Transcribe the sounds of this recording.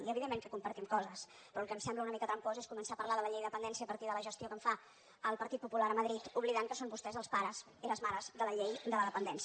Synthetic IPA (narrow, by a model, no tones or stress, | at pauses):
iəβiðemːẽŋkəkumpəɾt̪imkɔzəs | pɾɔːlˠkəmsɛmbləunəmikət̪ɾəmpozeskumənsapəɾlaðələʎejðəpənd̪ɛnsiəːpəɾt̪iðələʒəst̪iokəɱfa | əlˠpəɾt̪it̪̚pupulaɾəməðɾit̪uβliðaŋkəsombust̪ɛzəlˠspaɾəz | iləzmaɾəzðələʎejd̪ələðəpənd̪ɛns